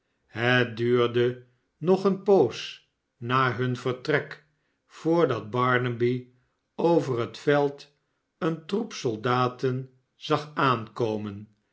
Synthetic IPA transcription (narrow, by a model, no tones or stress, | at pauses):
ɦət̚dyːʁdə | nɔχənpows | naːɦɵnvəʁtrɛk | foːɹdɑd̚bɑɹnəbi | owvərətfɛlˠt | əntrupsolˠdaːtən | z̥ɑχaːnkowmən